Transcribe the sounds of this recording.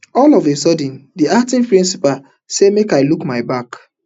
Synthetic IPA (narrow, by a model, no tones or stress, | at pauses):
ɔlɔvesɔdə̃ndiak̚tĩŋpɹĩnsipal | semekaɪlukmaɪbak